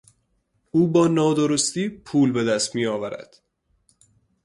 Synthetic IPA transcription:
ʔuːbɒːnɒːd̪oɾost̪iːpʰuːlbe̞d̪æst̪miːjɒːvæɾæ̰d̪̥

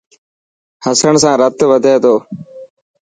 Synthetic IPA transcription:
həsəɳs̬ãːɾət̪ʋəd̪ʱeːt̪oː

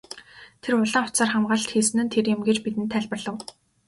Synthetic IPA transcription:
t̪ʰerʊɮə̆ŋʊ̥t͡saːrχamɢə̆ɮt̪xiːsɘ̆nɘ̆nt̪ʰerjɪ̆mɡet͡ɕpit̪ɘ̆nt̪ʰːæɮʲpə̆rɮə̆w

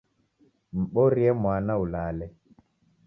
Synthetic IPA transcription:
m̩ɓoɾiɛmwaːnaulaːlɛ

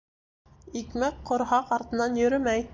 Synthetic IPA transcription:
ikmæk̚qŏɾɦɑqɑɾt̪ɤ̆nɑnjɵ̆ɾɵmæj

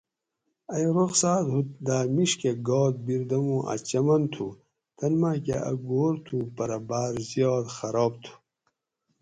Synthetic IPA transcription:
ɐjɾoqsaːt̪ɦut̪̚d̪aːmiʂkeɡoːt̪̚biɾd̪ɐmuʔa̰t͡ɕɐmɐnt̪ʰu | t̪ɐnmakeɐ̰ɡoːɾt̪ʰupɐɾɐbaːɾzjoːt̪xɐɾoːb̚t̪ʰu̥

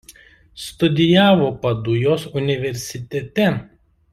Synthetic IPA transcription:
st̪ʊd̪ʲɪjæːʋoːpɐd̪ʊjoːsʊnʲɪʋʲɛɾʲsʲɪt̪ʲɛt̪ʲɛ

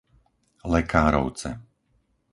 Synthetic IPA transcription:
lɛkaːɾɔ̰ʊt͡sɛ̰

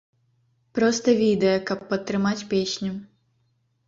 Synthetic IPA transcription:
pɾɔst̪ɐvʲid̪ɐjɐkɐpːɐt̪ːɾɨmat͡sʲpʲeɕʲnʲu

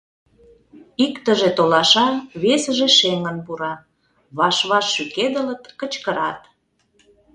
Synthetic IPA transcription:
ikt̪əʒet̪olɑʃɑβesəʒeʃeŋənpuɾɑ | βɑʃβɑʃːyked̪ələ̆t̪kət͡ɕkəɾɑt̪

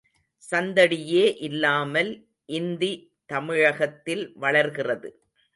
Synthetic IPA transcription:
sɐnd̪ɐɽɪjeːʔɪlːaːmɐl | ʔɪnd̪i | t̪ɐmɪɻɐɣɐt̪ːɪlʋɐɭɐɾɣɪrɐðɯ

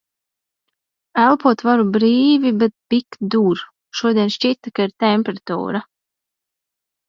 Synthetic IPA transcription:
ælˠpuɔt̪vaɾubɾiːvibɛt̪̚pikd̪uɾ | ʃuɔd̪ʲiɛnʃt͡ʃit̪akaiɾt̪ɛmʲpʲɛɾat̪ṵːɾa

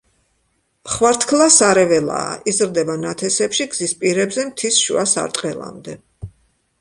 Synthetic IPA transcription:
χwaɾt̪ʰkʰlˠasaɾɛvɛla̰ːʔizɾd̪ɛbanat̪ʰɛsɛpʃiɡz̥ispʼiɾɛbzɛmt̪ʰisʃṵasa̰ɾt̪ʼqʼɛlˠa̰md̪ɛ

